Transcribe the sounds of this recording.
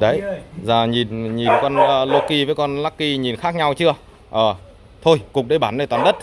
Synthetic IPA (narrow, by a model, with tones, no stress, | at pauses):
ɗə˨˦jzaː˨˩ɲi˨˩nɲi˨˩nkɔ˧nəː˧lo˧ki˧vəː˨˦jkɔ˧nlaː˦˥kːi˧ɲi˨˩nxaː˦˥k̚ɲa˧wt͡ɕɨ˧˥ə | ʔəː˨˩ | t̪ʰo˧jkʊ˨˩ŋ͡m̚ɗə˧jɓaː˧˩nːɗə˨˩t̪aː˨˩nɗə˦˥t̚